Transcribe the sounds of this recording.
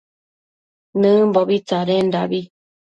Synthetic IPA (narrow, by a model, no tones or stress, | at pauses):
nɨ̃mboβit͡saɾendaβi